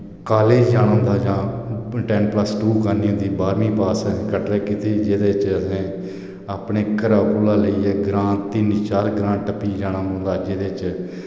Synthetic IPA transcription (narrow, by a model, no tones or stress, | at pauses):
kaːleːd͡ʒd͡ʒaːɽ̃ãːnd̪aːd͡ʒãːʈɛːnpləsʈuːkəɾniːɦʊ̃nd̪iːbaːɾmĩːpaːsə̃kəʈɾeːkiːt̪eːd͡ʒeːd̪eːɪt͡ʃəsẽː | aːpɳeːkəɾaːkuːlaːləiːɛːɡɾãːt̪t̪ːiːniːt͡ʃaːɾɡɾãːʈəpiːd͡ʒaːnãːõːnd̪aːd͡ʒeːd̪eːt͡ʃ